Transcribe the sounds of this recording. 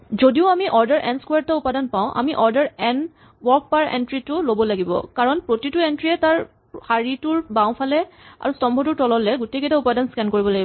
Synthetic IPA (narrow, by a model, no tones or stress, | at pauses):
zodiʊamiʔɔɹdaɹʔɛnskwaɹtaupadanpaʊ̃ʔa̰miʔɔɹdaɹɛn | wɔɹk̚paɹḛntɹitʊlobɔlaɡibɔ̰kaɹɔnpɹotituentɹiɛtaɹ | xaɹitʊɹbãʊ̃pʰalɛa̰ɹustɔmbʱɔtʊɹtɔlɔlɛɡutekɛtaupadanskɛnkoɹibɔlaɡibɔ